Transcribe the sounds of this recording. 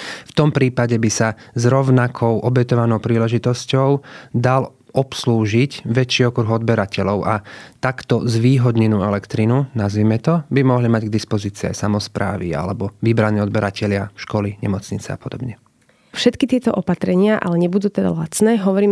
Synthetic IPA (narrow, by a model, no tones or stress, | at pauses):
ft̪ɔmpɾiːpaɟɛbisazɾɔʊnakʰɔʊʔɔbɛt̪ɔʋanɔʊpɾiːlɛʒit̪ɔscɔʊd̪al | ɔpsluːʒicʋɛt͡ʃiɔkɾuɣɔd̪bɛɾacɛʎɔʊʔat̪akt̪ɔzʋiːɦɔd̪ɲɛnuːɛlɛkt̪ɾinunazʋiːmɛt̪ɔbimɔɦlimaɟɡd̪ispɔziːt͡siːa̰jsamɔspɾa̰ːʋḭa̰lɛbɔʋibɾaniːɔd̪bɛɾacɛʎɪaʃkɔliɲɛ̰mɔt͡sɲit͡sɛa̰pɔd̪ɔbɲɛ | fʃɛt̪kit̪ɪɛt̪ɔʔɔpat̪ɾɛɲɪaʔa̰lɛɲɛbud̪uːt̪ɛd̪a̰lat͡snɛːɦɔʋɔɾiːm